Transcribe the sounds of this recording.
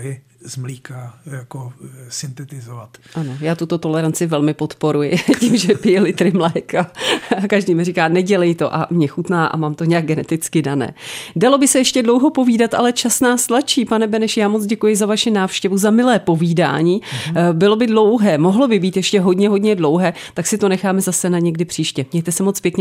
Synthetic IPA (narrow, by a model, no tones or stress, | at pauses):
jɛ | zmliːkajakosɪnt̪ɛt̪ɪzovat̪ʔanojaːt̪ut̪o̞t̪o̞lɛɾant͡sɪvɛlmɪpo̞t̪po̞ɾujɪcimʒɛpɪjɛlɪt̪ɾɪmlɛjkaakaʒdiːmɪrikaːnɛɟɛlɛjt̪o̞ʔa̰mɲɛxut̪naːʔa̰maːmt̪o̞ɲɛjaɡ̚ɡɛnɛt̪ɪt͡skɪdanɛ̰ːdalo̞bɪsɛjɛʃcɛdlowɦo̞po̞viːdat̪ʔa̰lɛt͡ʃasnaːst̪lat͡ʃiːpanɛbɛnɛʃjaːmot͡sɟɛkujɪzavaʃɪnaːfʃcɛvuzamɪlɛːpo̞viːda̰ːɲiːbɪlo̞bɪdlo̞wɦɛːmo̞ɦlobɪbiːt̪jɛʃcɛɦodɲɛɦodɲɛdlo̞wɦɛː | t̪aksɪt̪o̞nɛxaːmɛzasɛnaɲɛɡdɪpr̥iːʃcɛmɲɛjt̪ɛsɛmot͡spjɛkɲɛ